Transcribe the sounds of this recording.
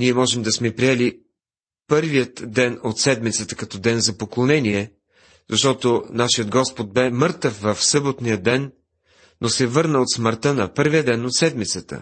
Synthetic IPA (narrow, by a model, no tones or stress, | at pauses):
niɛmɔʒɛmd̪ɐsmɛpɾiɛli | pɤɾvijət̪d̪ɛnot̪sɛd̪mit̪sət̪əkɐt̪ɔd̪ɛnzɐpoklˠonɛniɛ | zɐʃt̪ɔt̪onaʃiət̪ɡɔspod̪̚bɛmɤɾt̪əfvəfsɤbot̪nijəd̪ɛnː | osɛvɤɾnəot̪sməɾt̪ənɐpɤɾvijəd̪ɛnot̪sɛd̪mit̪sət̪ə̰